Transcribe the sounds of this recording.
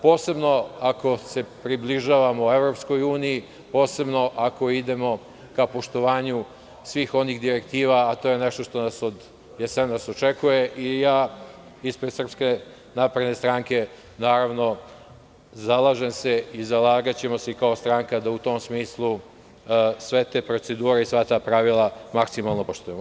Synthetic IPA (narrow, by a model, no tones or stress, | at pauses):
po̞ːse̞bno̞ako̞se̞pɾibliʒaːʋamo̞uevɾo̞psko̞juːniji | po̞ːse̞bno̞ʔako̞id̪e̞mo̞ | kapo̞ʃt̪o̞ʋaːɲu | sʋiːxo̞niɣd̪iɾe̞kt̪iːʋaːt̪o̞ːjeneʃt̪o̞ʃt̪o̞naso̞d̪ | jesenaso̞t͡ʃekujeʔijaː | ispɾesr̩pske̞ | napɾed̪ne̞st̪ɾaŋke̞ | naːɾaʋno̞ | zalˠaʒemseizalaːɡat͡ɕe̞mo̞seikao̞st̪ɾaːŋkad̪aut̪o̞ːmsmiːslˠu | sʋe̞t̪eːpɾot̪se̞d̪uːɾeisʋat̪aːpɾaʋilˠamaksimalˠno̞poʃt̪ujemo